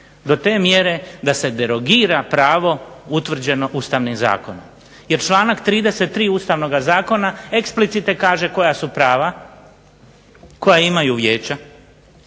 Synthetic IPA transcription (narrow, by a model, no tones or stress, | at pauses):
d̪o̞t̪e̞ːmjeɾe̞d̪ase̞d̪e̞ɾo̞ɡiːɾapɾaːʋo̞ut̪ʋr̩d͡ʑe̞no̞ʔust̪aʋnimza̰ːko̞nom | je̞ɾt͡ʃlˠaːnakt̪ɾiːd̪eset̪ːɾiːuːst̪aʋno̞ɡazaːko̞nae̞ksplit̪sit̪ekaːʒe̞ko̞jasupɾaːʋa | ko̞jaimajuʋjeːt͡ʃa